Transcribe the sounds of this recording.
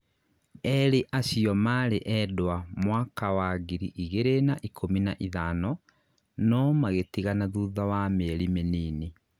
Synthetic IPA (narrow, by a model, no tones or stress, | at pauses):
ɛɾeʔaɕiɔmaɾeʔɛdwamwaːkawaɣiɾiʔiɣeɾenaʔikʰominaʔiðaːnɔ | nɔmaɣetiɣanaðuðawameɾimeniːni